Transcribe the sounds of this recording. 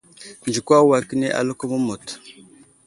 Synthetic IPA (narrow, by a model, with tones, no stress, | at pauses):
nd͡ʒi˨kʷa˦wa˨ki˦ne˦ʔa̰˨lu˦ku˦mə˦mo˨t